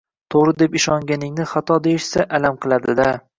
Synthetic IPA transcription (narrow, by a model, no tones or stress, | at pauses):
t̪ʰoɾɪd̪e̞pɪʃɒŋɡʲanɪŋnɪχat̪ʰɒd̪ejɪʃsaʔalamqʰɨlˠad̪ɪd̪a